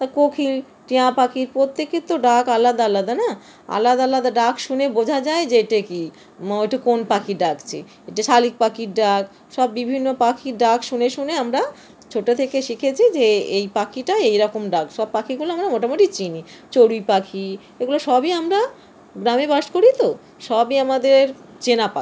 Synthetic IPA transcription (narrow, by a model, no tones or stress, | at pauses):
t̪akokʰil | ʈiãpakʰiɾpɾot̪ːekit̪oɖakalad̪aalad̪ana | a̰lad̪aalad̪aɖakʃunebod͡ʑʱad͡ʑaed͡ʑeeʈeki | ojʈekonpakʰiɖakt͡ɕʰe | eʈeʃalik̚pakiɾɖak | ʃɔbːibʱinːopakʰiɖakʃuneʃuneamɾa | t͡ɕʰoʈot̪ʰekeʃikʰet͡ɕʰid͡ʑeejpakʰiʈaejɾɔkomɖakʃɔb̚pakʰiɡuloamɾamoʈamoʈit͡ɕini | t͡ɕoɽujpakʰi | eɡuloʃɔbiamɾa | ɡɾamebaʃkoɾit̪o | ʃɔbiamad̪eɾ | t͡ɕenapa